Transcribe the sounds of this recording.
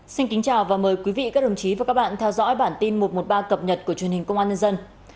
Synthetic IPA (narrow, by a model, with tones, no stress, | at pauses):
si˧nki˨˦ŋ̟t͡ɕaː˨˩wvaː˨˩məː˨˩jkwi˨˦vḭ˧˨kaː˦˥ɗə˨˧˩ŋ͡mt͡ɕi˨˦vaː˨˩ka˦˥k̚ɓa̰ː˧˨nt̪ʰɛ˧wzɔ̰˧˥jɓaː˧˩nt̪i˧nmo˨˩t̚mo˨˩t̚ɓaː˧kə˨˩p̚ɲə˨˩t̚ku˧˩ət͡ɕwi˨˩ənhï˨˩ŋ̟kə˧wŋ͡mʔaː˧ɲə˧nzə˧n